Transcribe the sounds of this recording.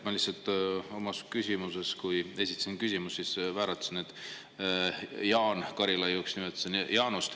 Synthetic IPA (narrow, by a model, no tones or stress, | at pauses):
mɑlisɑlt̪ːˑo̞mɑskysʲimuse̞skuje̞sʲi̥t̪ːˑɑ̥sinkysʲimusːisvæːɾɑt̪ːsened̪̥ | jɑːnkɑɾilɑjuːksnimet̪ːˑsenjɑːnust̪